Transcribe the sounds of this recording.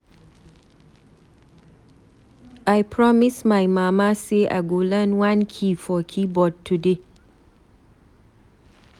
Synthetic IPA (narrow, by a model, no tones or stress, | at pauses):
ajpʰɹɔmismajmamaseʔa̰ɡolə̃nwãnkʰifɔkʰibɔd̚tʰude